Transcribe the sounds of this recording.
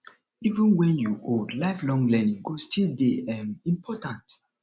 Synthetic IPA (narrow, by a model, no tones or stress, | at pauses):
ivũnwɛ̃njuʔodlaɪflɔ̃ŋlɛnĩŋɡostʰildeɛ̃mĩmpʰɔtãnt